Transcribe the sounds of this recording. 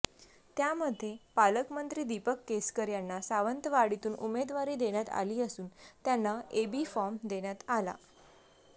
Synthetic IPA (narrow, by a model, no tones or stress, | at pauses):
t̪jaməd̪ʱːepaləkmənt̪ɾiːd̪ipəkːeskəɾjanːasaʋənt̪əʋaɽit̪uːnumed̪ʋaɾiːd̪eɽ̃jat̪a̰liːəsuːnt̪janːaebifɔɾmd̪eɽ̃jat̪ala̰